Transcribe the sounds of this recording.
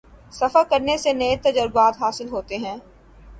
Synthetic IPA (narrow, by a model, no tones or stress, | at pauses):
sɐfəkɐɾnesenɐet̪ɐd͡ʒəɾbaːt̪ɦaːsɪlɦoːt̪eɦɛ̃ː